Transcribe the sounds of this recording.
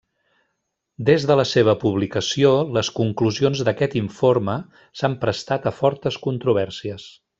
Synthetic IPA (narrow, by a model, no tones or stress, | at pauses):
d̪ezðələseβ̞əpuβ̞likəsioləskuŋkluzionzðəkɛt̪iɱfoɾmə | sampɾəst̪at̪əfɔɾt̪əskunt̪ɾuβ̞ɛɾsiəs